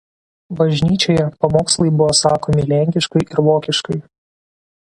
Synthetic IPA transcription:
bɐʒʲnʲiːt͡ʃʲoːjɛpɐmoːkslˠɐɪbʊʋosɑːkoːmʲɪlʲɛŋʲkʲɪʃkɐɪʔɪɾʋoːkʲɪʃkɐɪ

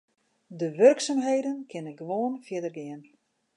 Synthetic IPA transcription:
dəʋørksamɦejdənkʰɪnəɡəʋoːnfjɪdərɡɪən

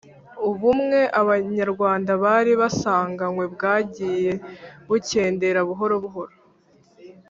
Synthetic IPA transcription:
uβumŋe̞ʔaβaɲaɾɡwaːndaβaɾiβasaːŋɡaŋwe̞bɡaːɟiːje̞βuce̞ːnde̞ɾaβuɦo̞ɾoβuɦo̞ɾo

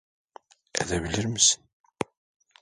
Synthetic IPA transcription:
æ̰ðævliɾməsən

